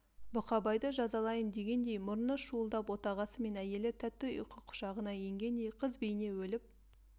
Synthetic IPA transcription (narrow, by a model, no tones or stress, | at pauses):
bʊqɑbɑjd̪əʒɑzɑlˠɑjənd̪e̞ɡʲe̞nd̪e̞jmʊɾənəʃuəlˠd̪ɑpwo̞t̪ɑʁɑsəme̞næje̞lɪt̪ʰæt̚t̪ːɪo̰jqəqʰːʊ̥ʃɑʁənɑje̞ŋɡʲe̞nd̪e̞jqʰəzbejne̞wɵlɪp̚